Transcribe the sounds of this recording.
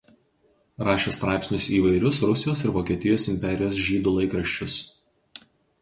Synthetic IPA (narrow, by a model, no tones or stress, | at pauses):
ɾɑːʃʲeːst̪ɾɑˑɪpʲsnʲʊsiːʋɐɪɾʲʊsɾʊsʲɪjoːsɪɾʋoːkʲiɛt̪ʲɪjoːsɪmʲpʲɛɾʲɪjoːsʒʲiːd̪ʊlˠɐɪkɾɐʃʲt͡ʃʲʊs